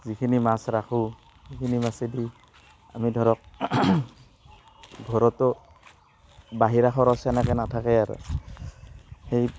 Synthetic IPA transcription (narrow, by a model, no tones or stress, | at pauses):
zikʰinimasɹaxʰu | hekʰinimasedi | a̰midʱɔɹɔk̚ | ɡʱɔɹɔtɔ | baɦiɹaxʰɔɾɔsɛnɛkɛnatʰakɛaɹṵ | hej